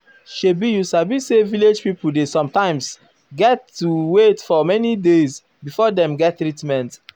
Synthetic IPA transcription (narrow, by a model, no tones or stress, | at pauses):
ʃebijusabiseviled͡ʒpipudesɔ̃mtãɪ̃ms | ɡɛtːuwetfɔmɛnidez | bifɔdɛ̃mɡɛtːɾɹitmɛ̃nt